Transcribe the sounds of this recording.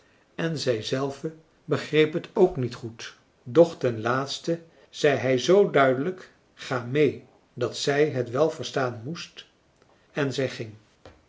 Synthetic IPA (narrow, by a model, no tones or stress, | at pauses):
ɛnzɛjzɛlˠvə | bəχrejpɦətʰowknitχut | dɔχtɛnlaːtstə | z̥ɛjɦɛjzowdœɥdələk | χaːmej | dɑtsɛjɦətʋɛlˠvəɹstaːnmust | ɛnzɛjχɪŋ